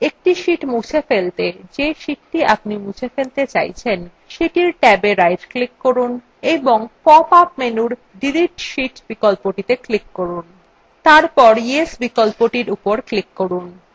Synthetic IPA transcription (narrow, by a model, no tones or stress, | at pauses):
ek̚ʈiʃiʈmut͡ɕʰefelt̪ed͡ʑeʃiʈːiap̚nimut͡ɕʰefelt̪et͡ɕa̰jt͡ɕʰen | ʃeʈiɾʈɛbeɾajɖklikːoɾun | eboŋpɔpapmenuɾ | ɖiliʈʃiʈbikolpoʈit̪eklikːoɾun | t̪aɾpɔɾiesbikolpoʈiɾupoɾklikːoɾun